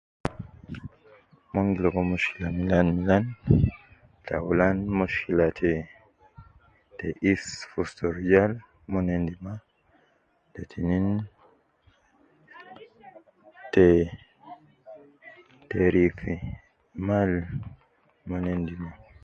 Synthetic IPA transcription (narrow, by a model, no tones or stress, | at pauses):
moŋɡilɔɡɔmuʃkilamilanmilan | tawlanmuʃkilatʰɛ | tɛʔisfustɔɾd͡ʒal | mɔnendima | datʰinin | tɛ | teɾifi | mal | mɔnendima